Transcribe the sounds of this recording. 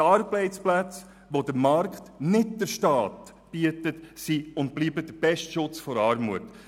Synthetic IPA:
ɑrblɛɪsplæt͡s | ʋodəɾmɑrkχtnɪtd̥əɾʃtɑːt | b̥iətətsiʊnt̚b̥liːbəd̥əɾb̥ɛʃtʃʊt͡sfɔɾɑːɾmuət

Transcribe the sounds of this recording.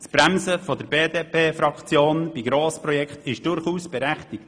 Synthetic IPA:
sb̥ɾæmsəfod̪əɾbeːdeːpʰeːfɾɑkt͡sjoːnb̥iɡɾoːspɾɔjɛkχt̪ɪʃd̥ʊɾχuːsb̥ɛɾæχt̪ɪk̚t

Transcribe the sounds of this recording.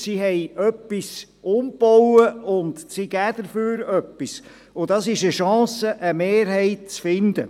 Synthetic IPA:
siɦɛjœpːis | ʊmb̥ɔwəʊnd̪siɡ̥æːd̥̪əɾføːɾœpːis | ʊd̥̪ɑsɪʃəʃɑ̃ːsəʔəmeːɾɦɛɪt̚t͡sfɪnd̪ə̰

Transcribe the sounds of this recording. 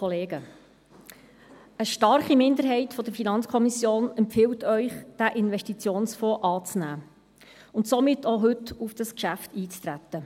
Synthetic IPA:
oleːɡə | əʃtɑɾχimɪnd̪əɾɦɛɪtfɔd̥əɾfinɑnt͡skʰɔmisjoːnɛmpfɪwtœʏχd̥æʔɪnʋɛʃtit͡sjoːnsfɔːʔɑːt͡snæː | ʊntsomɪtːoɦɵtufd̥ɑskʃæftiːt͡st̪ɾæt̪ːə

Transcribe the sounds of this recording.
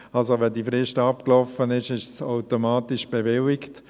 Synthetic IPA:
ɑlsoʋɛdifɾɪʃtɑpklɔfənɪʃɪʃsaʊtomɑːtiʃb̥eʋɪlɪkt

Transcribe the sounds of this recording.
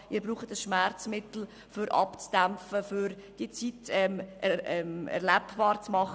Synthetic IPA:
ʔiːɾbɾuːχətəsʃmɛɾt͡smɪtl̩ | fʏɾʔɑ̰pt͡sd̥æmfəfyɾd̥iət͡sitɛmʔɛɛmɛ̰ɾlɛpb̥ɑːɾt͡smɑχ

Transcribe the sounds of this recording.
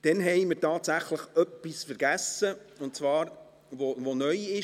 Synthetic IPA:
d̥ɛnɦɛɪməɾtɑːtsæχləχœpːisfɛɾɡ̥æsə | ʊntt͡svɑːɾ | vovonœʏɪ

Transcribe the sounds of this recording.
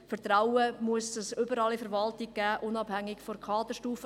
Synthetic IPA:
fəɾt̪ɾawəmʊəsəsʏbəɾɑːlifəɾvɑltɪɡ̚ɡ̥æːʔʊnɑb̥hæŋːɪkfɔɾkʰɑːd̪əʃtuːfə

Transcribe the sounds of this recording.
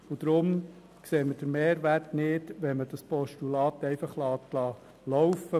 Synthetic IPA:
ʊd̥̪ɾʊm | kseːməd̥əɾmeːɾʋærtnɪd̥ʋɛnməd̥ɑspɔʃtulɑːt̪ɛɪfɑχlɑːt̪lɑː | lɔwfə

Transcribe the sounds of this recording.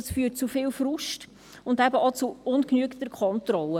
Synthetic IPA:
sfyːtt͡sufɪlfɾʊʃt | ʊndæbəʔɔt͡suʊnknyəkt̪əɾkχɔntɾɔlːə

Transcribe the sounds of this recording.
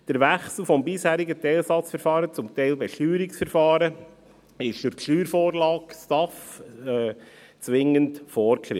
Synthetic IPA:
d̥əɾʋæχsl̩ˠfɔmbɪshæːɾɪɡətɛɪlsɑt͡sfəɾfɑːɾət͡sʊmt̪ɛɪlbɛʃtyːɾɪksfəɾfɑːɾə | ɪʃd̥ʊɾkʃyːɾfoːɾlɑːkstɑf | t͡sʋɪŋːəntfɔːɾkχɾɪ̰

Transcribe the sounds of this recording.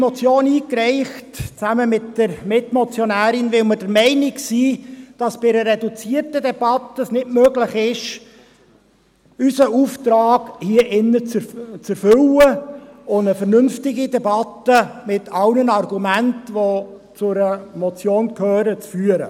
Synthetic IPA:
mɔt͡sjoːniːkɾɛɪχtt͡sæməmɪtd̥əɾmɪtmɔt͡sjɔnæːɾɪnʋɪlməd̥əɾmɛɪnɪksiːd̥ɑsb̥ɪɾəɾɛdut͡siːərtədɛb̥ɑtːəsnɪtmøːɡləχɪʃ | ysəuftɾɑːɡhiəʔɪnːət͡st͡sɛɾfʏləʊndəfəɾnʏnftɪɡidɛbɑtəmɪtʰɑwnənɑrɡumæntʋo | t͡sʊɾəmɔt͡sjoːnkʰhøːɾət͡sfyːəɾə̰

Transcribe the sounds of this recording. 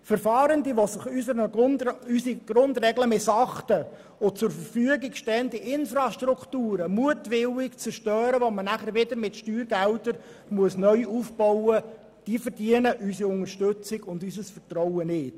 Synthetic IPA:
fəɾfɑːɾəndiʋosɪχysəɾənysiɡ̥ɾʊnd̪rɛɡləmɪsɑχtə | ot͡sʊɾfəɾfyəɡikʃtɛːəndiʔɪnfɾɑʃtruktuːɾəmuətʋɪwɪkt͡səʃtœːɾəʋomənæχəɾʋɪdəɾmɪtʃtyːɾɡældəɾ | muəsnœʏuːfb̥ɔwə | d̥iːfəɾdiənəʔysiʊŋəɾʃtøt͡sɪɡʊndysəsfərtɾɔwənɪt

